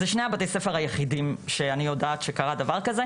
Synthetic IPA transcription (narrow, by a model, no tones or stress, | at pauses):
zeʃneabat̪ejsefeʁhajeχidimʃeanijodaːt̪ʃekaʁadavaʁkaze